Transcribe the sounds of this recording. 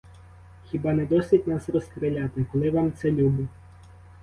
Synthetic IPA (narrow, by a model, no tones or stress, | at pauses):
xʲibɑnɛd̪ɔsʲʋʲitʲnɑsrɔskɾɪlʲat̪ɪkɔlˠɪʋɑmt̪sɛlʲubʊ